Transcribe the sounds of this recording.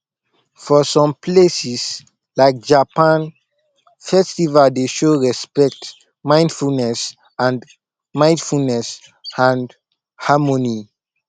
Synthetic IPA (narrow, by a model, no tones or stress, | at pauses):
fɔsɔ̃mplesis | laɪk̚d͡ʒapãn | fɛstivaldeʃoɹɛspɛk̚t | mãɪ̃ndfulnɛs | ãn | mãɪ̃ndfulnɛs | ãn | hamoni